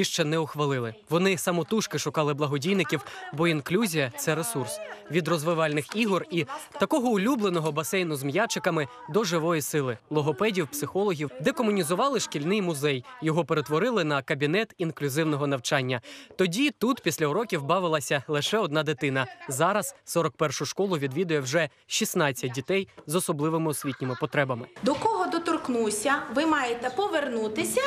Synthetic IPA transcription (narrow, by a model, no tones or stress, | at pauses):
iʃt͡ʃɛnɛʊxʋɐlˠɪlˠɪʋɔnɪsɐmɔt̪uʃkɪʃʊkɑlˠɪblˠɐɦɔdʲijnɪkʲiwbɔinklʲuzʲijɐt̪sɛɾesursʋʲid̪rɔzʋɪʋɑlʲnɪxiɦɔrit̪ɐkɔɦɔʊlʲublˠenɔɦɔbɐsɛjnʊzmjat͡ʃɪkɐmɪ | d̪ɔʒɪʋɔjisɪlˠɪlˠɔɦɔpɛdʲiwpsɪxɔlˠɔɦʲiwd̪ɛkɔmʊnʲizʊʋɑlˠɪʃkʲilʲnɪjmʊzɛjjɔɦɔpeɾet̪ʋɔɾɪlˠɪnɐkɐbʲinɛt̪inklʲʊzɪwnɔɦɔnɐwt͡ʃɑnʲːɐt̪ɔdʲit̪ut̪pʲisʲlʲɐuɾɔkʲiwbɑʋɪlˠɐsʲɐlˠɪʃɛɔd̪nɑd̪ɪt̪ɪnɐzɑɾɐz̥sɔɾɔk̚pɛrʃʊʃkɔlˠʊʋʲid̪ʋʲid̪ʊjɛwʒɛ | ʃʲisnɑt͡sʲːɐt̚ʲdʲit̪ɛjzɔsɔblˠɪʋɪmɪɔsʲʋʲitʲnʲɪmɪpɔt̪ɾɛbɐmɪd̪ɔkɔɦɔd̪ɔt̪ɔrknusʲɐʋɪmɑjet̪ɛpɔʋernut̪ɪsʲɐ